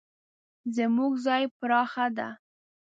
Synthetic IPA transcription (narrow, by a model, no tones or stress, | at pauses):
zəmuɡzɑjpɾɑxad̪a̰